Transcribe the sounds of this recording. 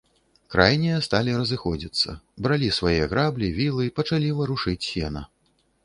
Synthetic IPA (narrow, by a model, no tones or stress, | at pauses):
kɾʔajnʲɛjɐst̪alʲiɾɐzɨxɔd͡zʲit̪sːɐ̰bɾalʲisvajɛɣɾablʲivʲilˠɨipɐt͡ʂalʲivɐɾuʂɨt͡sʲsʲɛnɐ̰